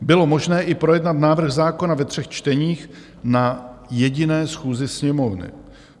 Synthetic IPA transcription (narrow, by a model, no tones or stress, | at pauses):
bɪlo̞mo̞ʒnɛːʔɪpɾo̞jɛdnat̪naːvr̩xzaːko̞navɛt̪r̝̥ɛxt͡ʃt̪ɛɲiːx | najɛɟɪnɛːsxuːzɪsɲɛmo̞vnɪ̰